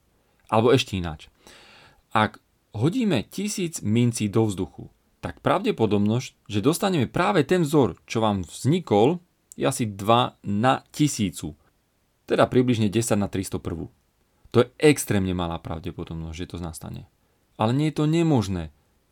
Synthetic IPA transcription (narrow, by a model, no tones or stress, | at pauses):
ʔalɛbɔɛʃcɛina̰ːt͡ʃ | ʔaɡ | ɦɔɟiːmɛcisiːd͡zmint͡siːd̪ɔvzd̪uxṵ | t̪akpɾaʊɟɛpɔd̪ɔbnɔsc | ʒɛd̪ɔst̪aɲɛmɛpɾaːʋɛt̪ɛnvzɔɾt͡ʃɔʋaːmvz̥ɲikɔl | jɛ̰asid̪ʋanacisiːt͡su | t̪ɛd̪apɾibliʒɲɛɟɛsaɟnat̪ɾist̪ɔpr̩ʋṵ | t̪ɔjɛʔɛkst̪ɾɛːmɲɛmala̰ːpɾa̰ʊɟɛpɔd̪ɔbnɔzɟʒɛt̪ɔzna̰ːst̪a̰ɲɛ̰ | ʔalɛɲɪɛjɛt̪ɔɲɛmɔʒnɛː